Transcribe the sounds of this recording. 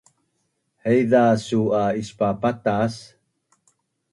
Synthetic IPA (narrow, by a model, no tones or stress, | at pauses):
hejðasuaispapat̪as